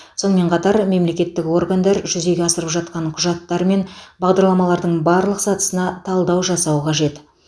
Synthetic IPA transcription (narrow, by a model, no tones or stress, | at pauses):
sonəme̞ɴqʰɑt̪ɑɾme̞mle̞kʲe̞t̪ːɪkwo̞rɡand̪ɑɾʒʏze̞ɡʲe̞ɑsəɾəpʒɑt̪̚qɑɴqʰʊʒɑt̪ːɑɾme̞nbɑʁd̪ɑɾlˠɑmɑlˠɑɾd̪əɴbɑɾlˠəqsɑt̪ə̥sənɑt̪ʰɑlˠd̪ɑwʒɑsɑwəqʰɑʒe̞t̪